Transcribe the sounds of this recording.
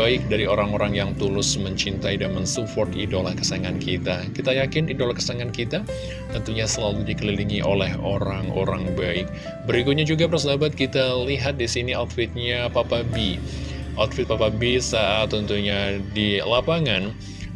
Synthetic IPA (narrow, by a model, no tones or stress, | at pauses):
aɪk̚daɾioɾaŋoɾaŋjaŋt̪ulʊsməɲt͡ʃint̪aidanmənsupɔrt̪idolahkə̥saŋankʰit̪akit̪ajakɪnidolakə̥saŋankit̪a | t̪ənt̪uɲasəlaludikəliliŋiʔo̰lɛɦo̰ɾaŋʔo̰ɾaŋbaɪk̚ | bəɾikʊt̪̚ɲad͡ʒuɡapərsədabat̪̚kit̪aliɦat̪̚disiniat̪̚fɪt̪̚ɲapapabi | ʔɔt̪fɪt̪̚papabisaat̪ːənt̪uɲadilapaŋan